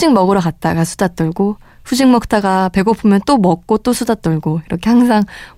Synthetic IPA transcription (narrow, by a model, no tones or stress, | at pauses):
iŋmʌɡɯɾʌkat̚t͈aɡasʰudat̚t͈ɯɭɡo | ɸud͡ʑiŋmʌk̚t͈ʰaɡape̞ɡopʰumjʌnt͈omʌk̚k͈ot͈osʰudat̚t͈ɯɭɡoiɾʌkʰe̞haŋs̬ʰaŋ